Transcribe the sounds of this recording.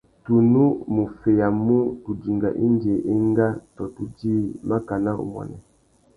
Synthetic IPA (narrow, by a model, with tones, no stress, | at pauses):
tu˨nu˦mu˨fe˨ja˨mu˦tu˨di˨ŋɡa̰˨ʔi˦nde˨ʔe˦ŋɡa˦tɔ˨tu˦diː˦ma˦ka˨na˦o̰˨mwɔ̰˨nɛ̰˨